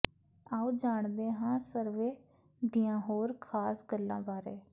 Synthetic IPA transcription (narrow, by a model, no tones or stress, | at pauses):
aːuːd͡ʒaːɳd̪eːɦãːsəɾʋeː | d̪iːãːɦoːɾkʰaːsɡəlːãːbaːɾeː